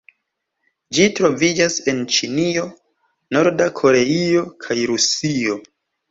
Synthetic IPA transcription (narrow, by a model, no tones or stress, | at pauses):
d͡ʒitɾo̞vid͡ʒase̞nt͡ʃinio̞ | no̞ɾdakʰo̞ɾe̞io̞kʰajɾusio̞